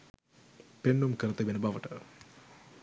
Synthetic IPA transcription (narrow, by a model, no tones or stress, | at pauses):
penːumkəɾət̪ebenəbaʋəʈə